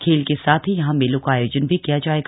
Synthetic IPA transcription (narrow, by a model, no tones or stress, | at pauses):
kʰeːlkesaːt̪ʰɦijɐɦãmelõkaːjoːd͡ʒənbʱikijad͡ʒaːeːɡ